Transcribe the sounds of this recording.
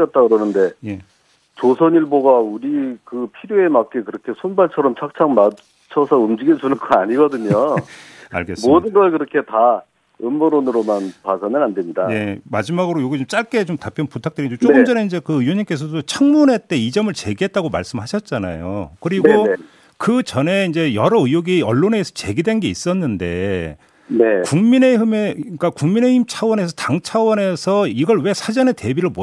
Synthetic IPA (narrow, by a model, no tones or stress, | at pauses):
ʌt̚t͈akɯɾʌnɯnde̞je̞ | t͡ɕosʰʌɲiɭboɡauɾikɯpʰiɾjoe̞mak̚k͈ekɯɾʌkʰe̞sʰonbaɭt͡ɕʰʌɾʌmt͡ɕʰak̚t͡ɕʰaŋma | t͡ɕʰʌsʰʌumd͡ʑiɡed͡ʑunɯɭk͈ʰʌaɲiɡʌdɯɲo | a̰ɭɡes͈modɯnɡʌkɯɾʌkʰe̞ta | ɯmːɯɾonɯɾomanpasʰanɯɾande̞mɲidanemad͡ʑimaɡɯɾojoɡit͡ɕomt͡ɕ͈aɭk͈e̞t͡ɕomtapʰjʌnputʰak̚t͈ɯɾind͡ʑot͡ɕoɡɯmd͡ʑʌne̞ind͡ʑe̞kɯɯjoɲimk͈e̞s̬ʰʌdot͡ɕʰaŋmunɦe̞t͈e̞id͡ʑʌmɯɭt͡ɕe̞ɡiɦe̞t̚t͈aɡoma̰ɭs͈ɯmhaɕʰʌt̚t͡ɕ͈ana̰jo̰kɯɾiɡɡo | kɯt͡ɕʌne̞ind͡ʑe̞jʌɾʌɯjoɡiʌɭːoneːsʰʌt͡ɕe̞ɡidwe̞nɡe̞is͈ʌnːɯnde̞̰ | nekuŋmine̞ɦimek͈akuŋmine̞imt͡ɕʰawʌne̞s̬ʰʌtaŋt͡ɕʰawʌne̞sʰʌiɡʌɭwe̞sʰad͡ʑʌne̞te̞biɾɯɭmo